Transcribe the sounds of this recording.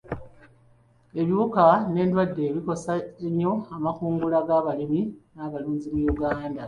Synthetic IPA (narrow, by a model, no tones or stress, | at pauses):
e̞βjiukane̞ːndwadːe̞ːβiko̞saemjo̞amakuːŋɡulaɡaːβaliminaβaluːɲɟimujuɡaːnda